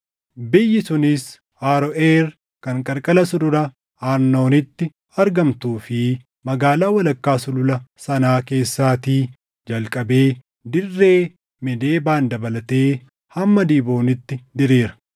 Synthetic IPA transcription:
bɪjːɪsʊnɪs | haːɾɔʔeɾ | kɐŋkʼɐɾkʼɐlɐsʊdʊɾɐ | aːɾnːo̞ːnɪt̪ːɪ | ɐɾɡɐmt̪uːfɪ | mɐɡaːlaːwɐlɐkːaːsʊlʊlɐsɐnaːke̞ːsːaːt̪iː | d͡ʒɐlkʼɐbe̞ː | d̪ɪrːe̞ː | mɛd̪e̞ːbaːnd̪ɐbɐlɐt̪e̞ː | hɐmːɐd̪iːbo̞ːnɪt̪ːɪd̪ɪɾeːɾɐ̥

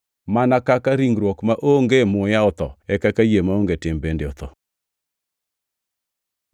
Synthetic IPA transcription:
manakakaɾiŋɡɾwɔkmaʔoŋɡemʊjaʊt̪ɔ̰ɛkakajemaoŋɡetɪmbendeot̪ɔ

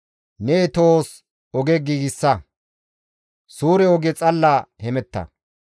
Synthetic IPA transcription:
neːt̪oːs | ɔɡɛɡiːɡɪsːɐ | suːɾɛɔɡɛt͡sʼɐlːahɛmɛt̪ːɐ̰

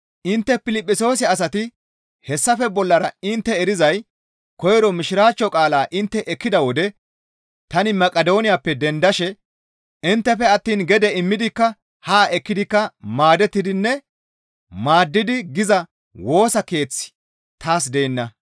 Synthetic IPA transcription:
ʔɪnt̪ːɛpɪlɪpʼːɪso̞ːs̬ɛɐs̬ɐt̪ɪ | hɛsːɐfɛbɔlːɐɾɐɪnt̪ːɛɛɾɪzɐj | kɔjɾɔmɪʃɪɾaːt͡ʃːɔkʼaːlaːʔɪnt̪ːɛʔɛkːɪd̪ɐwɔd̪ɛ | t̪ɐnɪmɐkʼɐd̪o̞ːnɪjapːɛd̪ɛnd̪ɐʃɛ | ɪnt̪ːɛfɛɐt̪ːiːnɡɛd̪ɛɪmːɪd̪ɪkːɐ | haːʔɛkːɪd̪ɪkːɐmaːd̪ɛt̪ːɪd̪ɪnːɛ | maːd̪ːɪd̪ɪɡɪzɐ | wo̞ːsɐke̞ːt͡sːɪ̥ | t̪aːs̬d̪ejːnːɐ

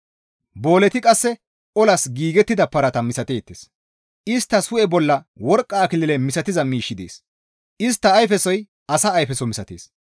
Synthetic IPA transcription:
bo̞ːlɛt̪ɪkʼɐsːɛ | ʔɔlɐsɡiːɡɛt̪ːɪd̪ɐpːɐɾɐt̪ɐmɪsɐt̪eːt̪ːeːs | ʔɪst̪ːɐsʊɛbɔlːɐwɔɾkʼːaːkɪlɪlɛmɪsɐt̪ɪzɐmiːʃːɪd̪ḛːs | ɪst̪ːɐːjfɛsɔj | ɐsɐːjfɛsɔmɪsɐt̪ḛːs

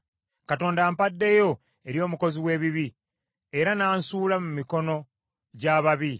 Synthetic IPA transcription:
kato̞ːndaːmpadːe̞jo̞ | e̞ɾjo̞ːmuko̞ziwe̞ːβiβi | e̞ɾanaːnsuːlamumiko̞no̞ | ɟaːβaβi

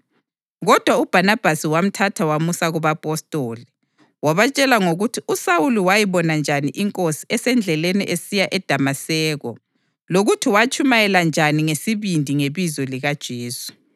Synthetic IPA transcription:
ɣɔd̥ʱwaub̥ʱanab̥ʱasiwam̩tʰatʰawamusaɣuβapʼɔstʼoːli | waβat͡ʃʼɛlaŋoɣutʰiusawuluwajiβɔnand͡ʒʱaniʔiŋkʼosi̥ɛsɛnd͡ɮʱɛlenḭʔesijaʔɛd̥ʱamasɛːɣɔ̰ | loɣutʰiwat͡ʃʰʼumajɛland͡ʒʱaniŋesiβindʱiŋeβizɔliɣad̥ʒ̥ʱeːsu̥

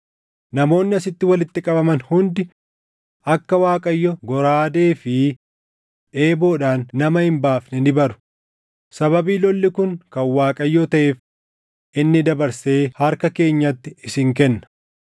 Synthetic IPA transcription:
nɐmo̞ːnːɪɐsɪt̪ːɪwɐlɪt̪ːɪkʼɐbɐmɐnhʊnd̪ɪ | ɐkːɐwaːkʼɐjːɔɡɔɾaːd̪e̞ːfɪ | ᶑe̞ːbo̞ːᶑaːnːɐmɐhɪmbaːfnɛnɪbɐɾʊ̥ | sɐβɐbiːlɔlːɪkʊŋkɐnwaːkʼɐjːɔt̪ɐʔe̞ːf | ʔɪnːɪd̪ɐbɐɾseːhɐɾkɐke̞ːɲːɐt̪ːɪɪsɪŋk̬ɛnːɐ̥

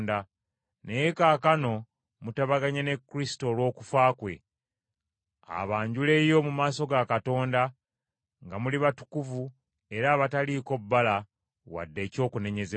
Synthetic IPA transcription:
nda | nejekaːkano̞ | mutaβaɡaɲene̞kːuɾisi̥to̞ːlwo̞ːku̥faːkwe̞̰ | a̰βaːɲɟule̞jo̞mumaːso̞ɡakato̞ːnda | ŋɡamuliβatu̥kuvu | e̞ɾaːβataliko̞bːala | wa̰dːe̞ːco̞ːkune̞ɲe̞ze

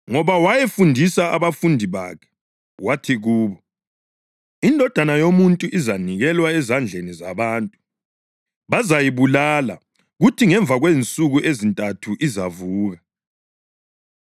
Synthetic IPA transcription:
ŋɔβawajefundʱisaa̰βafundʱiβa̰kʰɛ̥ | watʰiɣuːβɔ | indʱɔd̥ʱanajomuntʼuʔizaniɣɛlwaɛzand͡ɮʱenizaβaːntʼu | βazajiβulala̰ | ɣutʰiŋɛɱvʱaɣwent͡sʼuɣuʔezintʼatʰuʔizavuːɣa

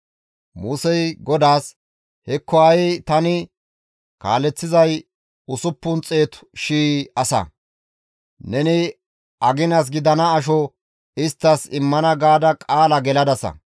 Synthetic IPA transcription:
muːsɛjɡɔd̪aːs | hɛkʰːɔɐjt̪ɐnɪ | ka̰ːlɛt͡sːɪzɐj | ʊsʊpːʊnt͡sʼe̞ːt̪ʃiːɐsɐ̰ | nɛnɪ | ɐɡɪnɐs̬ɡɪd̪ɐnɐːʃ̬ɔ | ɪst̪ːɐsɪmːɐnɐɡaːd̪ɐkʼaːlɐɡɛlɐd̪ɐsɐ̰

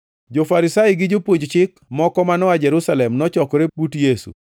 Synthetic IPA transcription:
d͡ʒofaɾɪsajɡɪd͡ʒopwoɲd͡ʒt͡ʃɪkmɔkɔmanɔad͡ʒɛɾusalɛmnɔt͡ʃɔkɔɾeputjesṵ

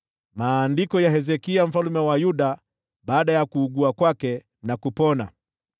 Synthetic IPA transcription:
maːndikɔjaɦɛzɛkiam̩falumɛwajuɗa | ɓaːɗajakuːɡuakwakɛ | nakupɔna̰

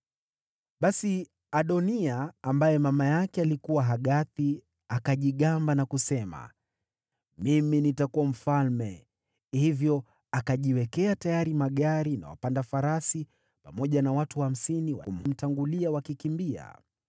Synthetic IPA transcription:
ɓasi | aɗɔniaːmbajɛmamajakɛalikuwaɦaɠaθi | akaʄiɠambanakusɛma̰ | miminitakuam̩falmɛ | hivjɔ | akaʄiwɛkɛatajaɾimaɠaɾina̰wa̰pandafaɾasi | pamɔʄanawatuham̩siniwa̰kum̩m̩taŋɡuliawakikimbia̰

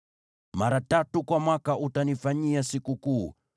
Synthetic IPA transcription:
maɾatatukwamwakaʔutanifaɲiasikukuː

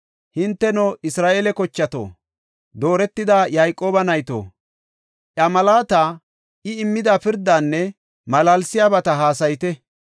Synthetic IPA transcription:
hɪnt̪ːɛnɔʔɪsɾaːʔeːlɛkɔt͡ʃːɐt̪o̰ː | d̪o̞ːɾɛt̪ːɪd̪ajajkʼːo̞ːbɐnɐjt̪o̰ː | ʔɐmɐlaːt̪a | ʔɪɪmːɪd̪apɪɾd̪ːaːnːɛ | mɐlalsɪjaːbɐt̪ɐɦaːsɐjt̪ɛ

